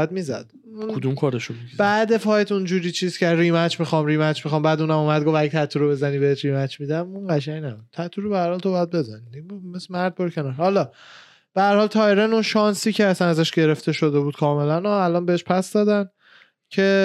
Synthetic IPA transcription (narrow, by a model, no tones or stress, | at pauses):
æd̪̚miːzæ̰d̪̥ | kud̪umkʰɒɾeʃumizbæːd̪e̞fɒːjt̪ʰund͡ʒuːɾiːt͡ʃʰiːzcʰerimæt͡ʃmixɒːmɾimæt͡ʃmixɒːmbæːd̪uːnæmumæd̪ɡo̞fæɡet̪ʰæt̪ʰːuɾobe̞zæniːbeeʃɾimæt͡ʃmid̪æmunɢæʃæŋnæbud̪̥̚t̪ʰæt̪ʰːuɾobehæɾhɒlt̪obɒjæd̪̚be̞zæniimesmæɾd̪̚bɒɾcʰe̞nɒːɾhɒlɒː | b̥eæɾhɒːlt̪ʰɒeɾenunʃɒnsiːcʰeæsænæzæʃɟe̞ɾeft̪e̞ʃo̞d̪ebuːd̪̥kʰɒːme̞lænɒælɒːnbeheʃpʰæsd̪ɒːd̪æn | cʰe̞